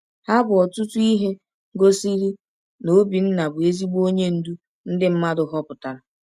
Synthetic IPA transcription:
ha˦bʊ˨ɔ˨tʊ˦tu˦i˦ɦe˦ | ɡo˦si˦ɾi˦ | no˦bi˨n̩˦na˨bʊ˨e˦zi˦ɡ͡bo˦ɲe˦n̩˦du˦ | n̩˦dɪ˦m̩˦ma˦dʊ˨ɦɔ˦pʊ˨ta˨ɾ

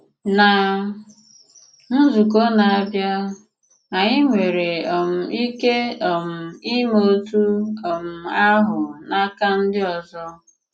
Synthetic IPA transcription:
na˨ | n̩˦zu˨k̬o˦na˨a˦bja˦ | a˨ɲɪ˦ŋʷe˨ɾe˨ɔ˨m̩˨i˦ke˦ɔ˨m̩˨i˦mo˦tu˦ɔ˨m̩˨a˦ɦʊ˨na˦ka˦n̩˦dɪ˦ɔ˨zɔ˦

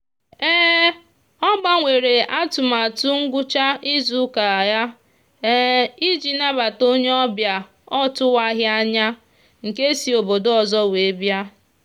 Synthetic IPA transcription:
ɛː˦ | ɔ˦ɡ͡ba˦ŋʷe˨ɾe˨ʔa˦tʊ˨ma˨tu˦ŋ̩˦ɡʷʊ˦t͡ʃa˦ʔi˦zu˦ka˨ja˦ | i˦d͡ʒi˨na˦ba˨to˦ɲe˦ɔ˦bja˨ | ɔ˦tʊ˦wa˦ɦja˦ɲa˦ | ŋ̩˨ke˦si˨o˨bo˨do˦ɔ˨zɔ˦we˨˦bja˦

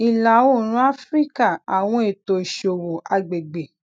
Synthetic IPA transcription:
i˨la˨wo˦˨ɾ̃ũ˨˦a˦fɾi˦ka˦˨a˨w̃ɔ̃˧˦e˦˨to˨i˨ʃo˨wo˨a˧ɡ͡be˨ɡ͡be˨

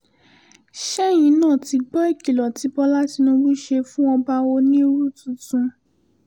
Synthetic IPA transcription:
ʃɛ˦j̃ĩ˧˦nãː˦˨ti˧ɡ͡bɔ˦i˦˨ki˨lɔ˨ti˨˧˦bɔ˧la˦ti˧nũ˧bu˦ʃe˧fũ˦ɔ˧ba˧wo˧nĩ˦ɾu˦˨tũ˨tũ˧

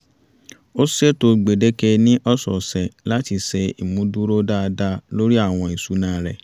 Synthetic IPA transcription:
o˦sʃe˦to˧ɡ͡be˨de˦ke˧nĩ˦ʔɔ˦sɔ̰˨sɛ̃˨la˦ti˧sɛ˧i˨mũ˨˦du˦ɾo˦da˦˧da˧lo˦ɾi˦a˦˨w̃ɔ̃˧i˨su˨˦nãː˨˦ɾɛ̰˨

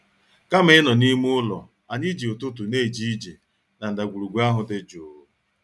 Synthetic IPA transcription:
ka˦m˦ɪ˦nɔ˨ni˦mu˦ʊ˦lɔ̰˨ | a˨ɲɪ˦d͡ʒi˨ʊ˨tʊ˦t̬ʊ˨ne˦i˨d͡ʒi˦i˦d͡ʒi˨ | na˨n̩˨da˨ɡʷu˨ɾu˨ɡʷa˦ɦʊ˨dɪ˦d͡ʒʊː˨˦

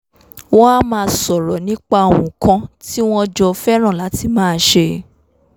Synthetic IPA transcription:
wɔ̃˦a˦mãː˦˧˦sɔ˨ɾɔ˨nĩ˦k͡pa˧˨w̃ɔ̃˨kã˧ti˦w̃ɔ̃˦d͡ʒɔ˧fɛ˦ɾ̃ã˦˨la˨˦ti˧˨mãː˦˨ʃe˧˦

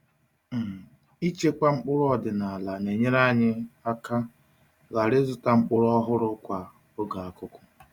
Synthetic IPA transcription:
m̩˨ | i˦t͡ʃe˦ka˦ŋ͡m̩˦k͡pʊ˦ɾʊ˦ɔ˨dɪ˨na˨a˨la˨ne˨ɲe˦ɾa˦ɲɪ˦a˦ka˦ | ɣa˨ɾɪ˦zʊ˨ta˨ŋ͡m̩˦k͡pʊ˦ɾʊ˦ɔ˦ɦʊ˦ɾʊ˦kʷa˨ | o˦ɡa˨a˨kʊ˦kʷʊ̥˦

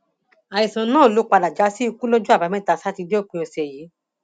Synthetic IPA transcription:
a˨ji˨sã˨nãː˦˨o˨lo˦k͡pa˧la˨d͡ʒa˨˦si˦˧ku˦lo˦d͡ʒu˦a˦˨ba˨˦mɛ̃˦ta˧˨sa˦ti˧di˦o˦˨k͡pĩ˧ɔ˧sɛ˨jiː˨˦

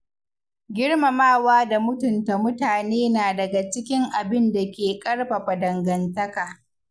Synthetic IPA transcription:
ɡʲɪ˦ɽma˨maː˦˨waː˦da˨mʊ˦tʊ˨nta˨mʊ˦taː˨neː˦naː˨dɐ˨ɡa˨t͡ʃɪ˦kʲɪ˦ŋʔa˨bɪ˦nda˨kʲeː˨kʼɐ˦ɽɸa˨ɸa˨dɐ˨ŋɡɐ˨ntɐ˦kaː˨

